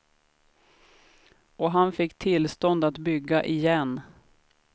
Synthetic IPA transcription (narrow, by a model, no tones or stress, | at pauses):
ɔɦanfɪkːt̪ʰɪlst̪ɔnd̪at̪bʏɡːaʔɪjɛnː